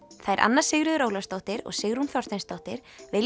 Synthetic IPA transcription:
θajɾʔa̰nːaɾ̥sɪɣɾʏðʏɾoːwlast̪owht̪ɪɾɔ̰ɣsɪɣɾunθjaw̥rt̪ejnst̪owht̪ɪɾ̥vɪl

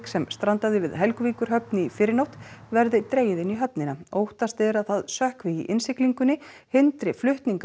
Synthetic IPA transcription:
ksɛmst̪ɾant̪aðɪvɪðɦɛlkviːkʏɾ̥ɦœpnɪifɪːɾɪɾnowht̪vɛɾðɪt̪ɾeːjɪðɪniɦœp̚nɪnaoːwht̪ast̪ɛɾaðθaðsœhkvɪiʔɪnsɪkliŋkʏnɪ | hɪnt̪ɾɪflʏht̪niŋk

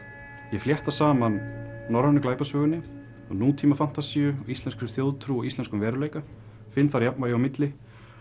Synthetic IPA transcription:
jɛfljɛht̪asaːmanːɔɾvanʏklaːjpasvœːɣʏnːɪ | ɔ̰ɣnuːt̪ʰiːmafan̥t̪asiʏɔist̪ɛnskɾʏθjowðt̪ʰɾuɔɣist̪ɛnskʏmvɛːɾʏlejka | fɪnːθaɾjap̚nvajɛamɪt̪lɪ

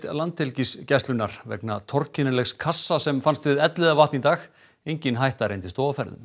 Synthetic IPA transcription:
t̪lant̪ɛlciscɛst̪lʏnːaɾ̥vɛ̰kna̰t̪ʰɔrcɪnɪlɛxskʰasːasɛmfanst̪vɪðɛt̪lɪðavaht̪nit̪aːx | ejɲcɪnɦajht̪aɾejnt̪ɪ̥st̪ɔːafɛɾðʏ̰m

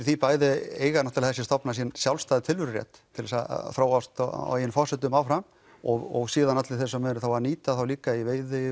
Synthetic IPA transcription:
θipaːjðɪeːjɣanaht̪alθɛsːɪst̪ɔpnas̬iɛnsjawlst̪aðɪt̪ʰɪlvʏɾrjɛ̰t̪ʰːɪlðɛsa̰θɾoːwast̪a̰ɪnfɔ̥sɛt̪ʏmawfɾam | ɔɣɔɣsiːðanat̪lɪθɛsːœmɛɾʏθawvaɾniːt̪aθawliːkaiveːjðɪ

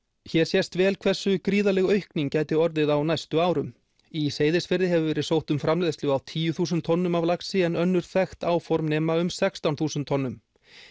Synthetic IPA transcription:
çɛɾ̥sjɛst̪vɛːlkʰv̥ɛr̥sːʏkɾiːðalɛɣœɥhkniŋcaːjt̪ɪɔɾðɪðawnajst̪ʏaːwɾʏm | iseːjðɪsfɪɾðɪɦɛvʏvɛːɾɪ̥sowht̪ʏmfɾamlɛðst̪ɪɣawt̪ʰiːjʏθuːsʏnt̪ʰːɔnːʏmavlaksɪɛnœnːʏɾ̥θɛxt̪aːwfɔɾmnɛːmaʏmsɛkst̪awnθuːsʏnt̪ʰːɔnːʏm

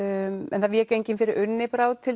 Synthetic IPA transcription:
ɛ̰nθavɪɛcejɲcɪnfɪɾɪɾʏnːɪpɾawt̪ʰɪl

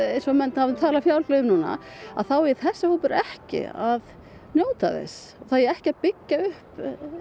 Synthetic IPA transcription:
ejnsɔmɛnt̪havt̪ʰaːlafjawlflœðʏmnuːna̰a̰ðθawɪθɛsːɪhoːwpʏɾɛhcɪ̰að | njoːwt̪aðɛ̰s | ɔɣθaðjɛɛhcɪaðpɪcːaʏhp

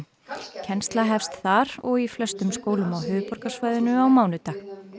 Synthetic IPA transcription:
cʰɛnst̪laɦɛfst̪θaɾɔɣiflœst̪ʏmskoːwlʏmawɦʏːvʏpɔɾkasvaːjðʏnʏawmaːwnʏt̪ax

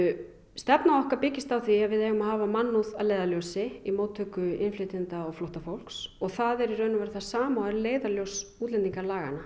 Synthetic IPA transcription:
st̪ɛpnaɔhkaɾpɪcɪst̪awθviavɪðɛːɣʏmaðhɦaːvamanːuða̰ðlejðaljowsɪimoːwt̪ʰːœkʏɪnflɪt̪ɪnt̪aɔɣflowht̪afowl̥ksɔɣθaðɛɾirœːɥnʏmvɛɾɪθaðsaːmaɛɾleːjðaljowsuːt̪lɛnt̪iŋkaɾlaːɣa̰na

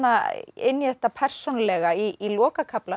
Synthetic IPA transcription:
aɪnːjɛht̪apʰɛr̥sonlɛɣaiilɔːkakʰapla

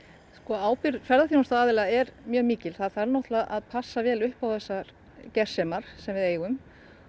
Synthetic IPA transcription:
skɔaːwpɪɾfɛɾðaθinst̪aaːðɪlaɛɾmjœːɣmiːcɪlθaðθaɾnɔht̪laaðpʰasːavɛːlʏhpawθɛsːaɾ | cɛr̥sɛːmaɾ̥sɛmvɪðeːjɣʏm

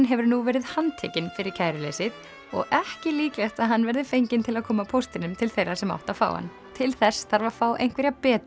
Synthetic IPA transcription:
nɦɛvʏɾnuvɛːɾɪðhant̪ʰɛːcɪnfɪɾɪɾ̥cʰajɾɪlḛjsɪð | ɔ̰ɣɛhcɪliːklajht̪aðɦanːvɛɾðɪfejɲcɪnt̪ʰɪlaðkʰɔːmapʰowst̪ɪnʏmt̪ʰɪlθejrːasɛma̰wht̪afa̰ːwha̰nː | t̪ʰɪlθɛsːθaɾvafaːwʔḛjŋ̥kvɛɾjapɛːt̪

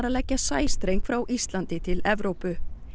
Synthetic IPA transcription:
ɾalɛcːasaːjst̪ɾejŋkfɾawʔist̪lant̪ɪt̪ʰɪlɛvɾowpʏ

